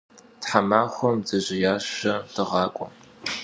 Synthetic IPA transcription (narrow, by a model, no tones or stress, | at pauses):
tħamaːxʷɔmzɐʑɪjaːɕɐtʰɨʁɑːkʷʼɔ̰